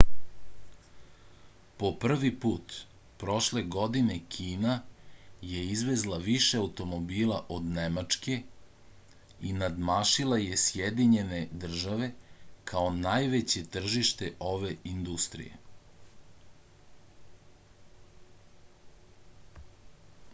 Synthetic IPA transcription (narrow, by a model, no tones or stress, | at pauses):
po̞pr̩ʋipuːt̪ | pɾo̞ʃle̞ɡo̞d̪ine̞kʰiːna | je̞izʋezlˠaʋiʃeaut̪o̞mo̞biːlˠaʔo̞d̪nemat͡ʂke̞ | inad̪maːʃilaje̞sjed̪iɲe̞ne̞d̪r̩ʒaʋe̞kʰao̞naːjʋet͡ɕe̞t̪r̩ʒiʃt̪e̞ʔo̞ʋe̞ind̪ust̪ɾḭje̞̰